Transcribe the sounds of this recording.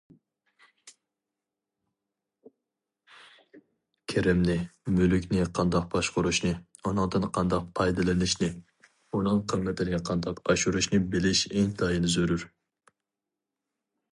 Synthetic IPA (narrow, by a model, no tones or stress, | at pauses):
kʲʰeɾɪmnɪmylykʲnɪqʰɑnd̪ɑq̚bɑʃqʊɾuʃnɨ | unɨŋd̪ɨnqʰɑnd̪ɑq̚pʰɑjd̪ɨlɪnɪʃnɪ | unɨŋqʰəmːɛt̪ʰɪnɪqʰɑnd̪ɑqɑʃuɾuʃnɨbɪlɪʃeŋt̪ʰɑjinɨzøɾyɾ